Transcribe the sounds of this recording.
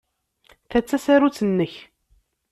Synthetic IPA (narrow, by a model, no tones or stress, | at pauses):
θæt͡sːæsæɾut͡sːənːəç